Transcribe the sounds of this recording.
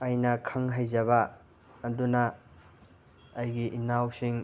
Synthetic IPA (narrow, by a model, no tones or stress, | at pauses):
ɐjnɐkʰɐŋɦajzɐβɐː | dunɐ | jɡiʔinawsiŋ